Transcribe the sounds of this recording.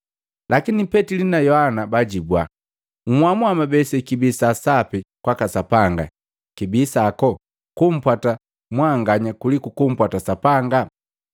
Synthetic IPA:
lʔakinipɛtilinajɔhanabaɟibwa | ŋ̩wamwamabɛsɛkibisasapikwakasapaŋɡa̰ | kibisakɔ | kum̩pwata | mwaŋɡaɲakulikukum̩pwatasapaŋɡa

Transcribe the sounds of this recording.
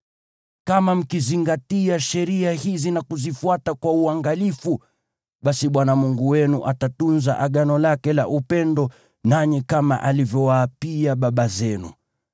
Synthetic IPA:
kamam̩kiziŋɡatiaʃɛɾiahizinakuzifuatakwauaŋɡalifu | ɓasiɓwanamuŋɡuwɛnuʔatatunzaʔaɠanɔlakɛla̰ʔupɛndɔ | naɲikama̰ʔalivjɔwaːpiaɓaɓazɛnṵ

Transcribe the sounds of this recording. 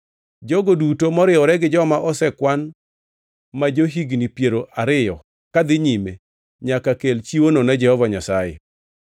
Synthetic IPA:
d͡ʒoɡodutomɔɾɪɔɾɛɡɪd͡ʒɔmaʔɔsɛkwan | mad͡ʒoɦiɡnipjeɾoʔaɾɪjɔ | kad̪ɪɲime | ɲakakelt͡ʃiwononad͡ʒɛhɔvaɲasajḛ

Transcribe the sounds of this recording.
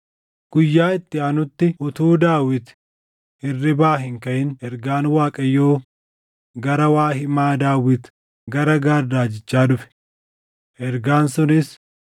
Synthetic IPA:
ɡ̥ʊjːaːɪt̪ːɪɐnʊt̪ːɪʊt̪uːd̪aːwɪt̪ | ɪrːɪbaːɦɪŋkɐʔɪnɛɾɡaːnwaːkʼɐjːoː | ɡɐɾɐwaːhɪmaːd̪aːwɪt̪ | ɡɐɾɐɡaːɾd̪aːd͡ʒɪt͡ʃːaːd̪ʊfɛ̥ | ʔɛɾɡaːnsʊnɪs

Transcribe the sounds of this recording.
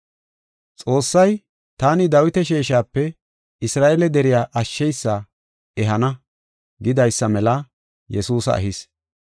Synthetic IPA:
t͡sʼo̞ːsːɐj | t̪aːnɪd̪ɐwɪt̪ɛʃ̬eːʃaːpːɛ | ɪsɾaːʔelɛd̪ɛɾɪjaːʔɐʃːɛjsːɐ | ʔɛɦɐnɐ | ɡɪd̪ɐjsːɐmɛlɐ | jɛsuːsɐ̰ʔɐ̰ɦɪs

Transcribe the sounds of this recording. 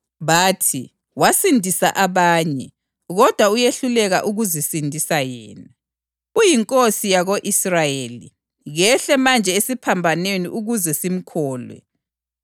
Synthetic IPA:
βaːtʰḭ | wasindʱisaʔaβaːɲɛ | ɣɔd̥ʱwaujeɬulɛɣa̰ʔuɣuzisindʱisajɛːna | ujiŋkʼosijaɣoʔisrajeli | ɣɛɬɛmand͡ʒʱɛesipʰambʱanenḭʔuɣuzɛsim̩kʰɔːlwɛ̰

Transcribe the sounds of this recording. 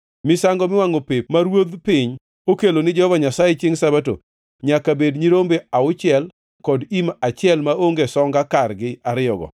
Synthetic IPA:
mɪsaŋɡɔmɪwaŋopepmaɾwod̪pɪɲ | okelonɪd͡ʒɛhɔvaɲasajet͡ʃɪŋsabato̰ | ɲakabedɲiɾombeaʊt͡ʃɪɛl | kɔdimat͡ʃɪɛlmaoŋɡesɔŋɡakarɡɪaɾɪjɔɡɔ̰

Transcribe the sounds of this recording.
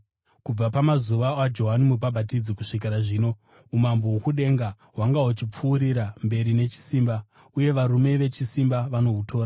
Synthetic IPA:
kub͡vapamazuʋaad͡ʒo̞ɦanimupabʱatid͡zikuʂik̬iɾaʐiːno̞ | umamboɦukuɗe̞ŋɡa | ɦwaŋɡaɦut͡ʃip͡fuːɾiɾambe̞ɾine̞t͡ʃi̥siːmba | uje̞ʋaɾume̞ʋe̞t͡ʃisimbaʋano̞utʰo̞ːra

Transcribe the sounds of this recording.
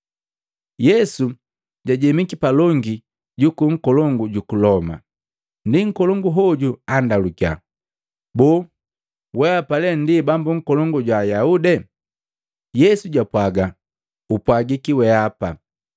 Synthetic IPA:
jɛsu | ɟaɟɛmikipalɔŋɡi | ɟukuŋ̩kɔlɔŋɡuɟukulɔma̰ | ndiŋ̩kɔlɔŋɡuɦɔɟuandalukja̰ | bɔː | wɛapalɛndibambuŋ̩kɔlɔŋɡuɟwajaudɛ | jɛsuɟapwaɡa | upwaɡikiwɛapa

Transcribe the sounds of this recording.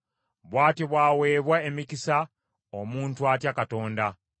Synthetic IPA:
βwaːtiβwaːwe̞ːβwaemicisa | omuːntuatjakato̞ːnda

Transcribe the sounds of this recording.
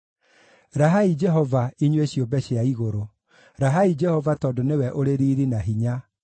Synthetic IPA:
ɾaɦaid͡ʒɛɦɔvaiɲweɕjombɛɕeaiɣoɾo | ɾaɦaid͡ʒɛhɔvatɔːdonewɛʔoɾeɾiːɾinaɦiɲa

